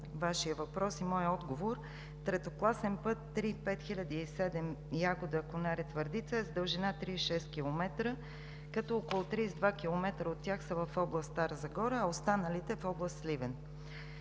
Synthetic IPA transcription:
vaʃijəvɐpɾɔsimɔjəɔd̪ɡovoɾ | t̪ɾɛt̪oklˠasɛnpɤt̪ːɾipɛt̪xilʲəd̪iːsɛd̪ɛmjaɡod̪əkonaɾɛt̪vəɾd̪it̪səɛzd̪əlˠʒɛnat̪ɾiʃɛst̪̚kilˠomɛt̪ɾə | kɐt̪ɔɔkolˠot̪ɾisd̪vak̟ʲilˠomɛt̪ɾəot̪ʲːjaxsəvɐfɔblˠəst̪t̪aɾəzɐɡɔɾəːost̪anəlit̪ɛfɔblˠəst̪slivɛn

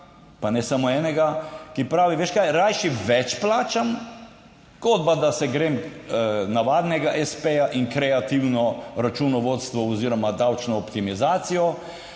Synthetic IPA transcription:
panɛsamoɛːnɛɡakipɾaːʋiʋeːʃkajɾajʃiʋɛt͡ʃplaːt͡ʃam | ɡ̥od̪̚bad̪asɛɡɾeːm | naʋaːd̪nɛɡaʔɛspejaʔiŋkɾɛat̪iwnɔɾat͡ʃunɔʋot̪st̪ʋɔɔziːɾɔmad̪awt͡ʃnɔːpt̪imizaːt̪sijɔ

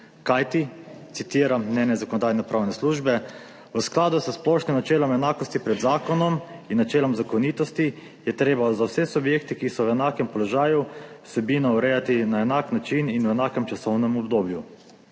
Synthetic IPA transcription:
kajt̪it̪sit̪iːɾamːnʲɛːnɛzakɔnɔd̪aːjnɛpɾʔaːwnɛsluʒbɛ | ʋəsklaːd̪usəsplɔʃnimnat͡ʃɛːlɔmɛnaːkɔst̪ipɾɛd̪zaːkɔnɔminːat͡ʃɛːlɔmzakɔnit̪ɔst̪i | jɛt̪ɾeːbazawsɛsubjekt̪ikisɔwɛnaːkɛmpɔlɔʒaːjuwsɛbiːnɔɔɾɛjat̪inaɛnaːknat͡ʃininwɛnaːkɛmt͡ʃasɔwnɛmɔbd̪oːbju

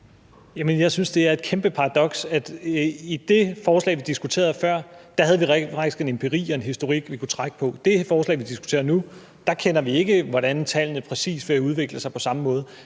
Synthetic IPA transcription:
jæmənjɑ̈ɪsynsd̥e̝æɐe̝d̥̚kʰemb̥əpʰɑ̈ʁɑ̈d̥ɒ̽ɡ̥sæd̥id̥e̝fɒːslɛ̰ːɪʋid̥isɡ̥ut͡sʰe̝̰ːɐfɶɐ̰d̥ɑ̈hæð̞ˠʋiʁfɑ̈ɡ̥d̥isɡ̥e̝ne̝mpʰe̝ʁḭːɒ̽e̝nɦisd̥o̝ʁiɡ̥ʋikʰut͡sʰʁaɡ̥əpʰɒ̽d̥e̝fɒːslɛ̰ːɪʋid̥isɡ̥u̥t͡sʰe̝̰ːɐnu | d̥ɑ̈kʰenɐʋie̝ɡ̥əʋɒɾænt͡sʰæl̰nəpʰʁɛsḭːsʋɒæuð̞ˠʋe̝ɡ̥ləsɑ̈ɪpʰɒ̽sɑ̈məmɔ̽ːð̞ˠ

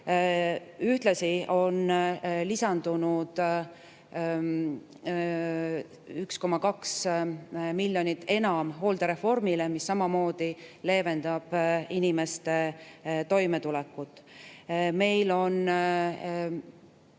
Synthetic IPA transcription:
yht̪lɑsio̞nlisɑnd̪̥unud̪̥ | yksko̞mːɑkɑks | milʲːjo̞nit̪ːe̞nɑmɦo̞ːld̪̥eɾe̞fo̞rmile̞misːɑmɑmo̞ːd̪̥ile̞ːve̞nd̪̥ɑb̥inime̞st̪e̞t̪o̞jme̞t̪ulɛkːˑut̪ːˑ | me̞jlo̞n

